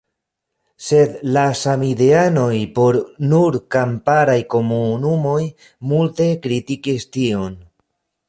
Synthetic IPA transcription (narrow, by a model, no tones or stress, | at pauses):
se̞d̪lasamide̞ano̞jpo̞ɾnuɾkampaɾajko̞munumo̞j | multe̞kɾitikistio̞n